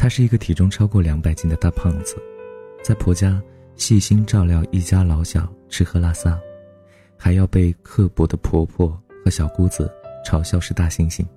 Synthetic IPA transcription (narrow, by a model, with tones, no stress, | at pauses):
t̪ʰa˥ʂɻ̩˥˩i˧˥ɡə˧t̪ʰi˨˩ʈ͡ʂʊ˥ŋʈ͡ʂʰɑ˥ʊkwɔ˥˩ljɑ˧˥ŋpa˨˩ɪt͡ɕi˥˩d̪ə˩t̪a˥˧pʰɑ˥˩ŋd͡zɹ̩˩t͡sa˥˩ɪpʰwɔ˧˥t͡ɕja˥ | ɕi˥˩ɕi˥nʈ͡ʂɑ˥˧ʊljɑ˥˧ʊʔi˥˩t͡ɕja˥lɑ˧˥ʊɕjɑ˨˩ʊʈ͡ʂʰɻ̩˥xɤ˥la˥sa˥ | xa˧˥ɪjɑ˥˧ʊpe˥˧ɪkʰɤ˥˩pwɔ˧˥d̪ə˧pʰwɔ˧˥pʰwɔ˥˩xɤ˧˥ɕjɑ˨˩ʊku˥d͡zɹ̩˧˩ʈ͡ʂʰɑ˧˥ʊɕjɑ˥˧ʊʂɻ̩˥˧t̪a˥˩ɕi˥ŋɕi˥˩ŋ